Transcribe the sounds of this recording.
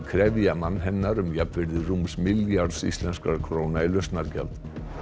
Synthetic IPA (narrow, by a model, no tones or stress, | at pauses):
kʰɾɛvjamanːɦɛnːaɾʏmjap̪vɪɾðɪruːmsmɪljaɾsḭst̪lɛnskaɾkʰɾoːwnailœst̪naɾca̰lt̪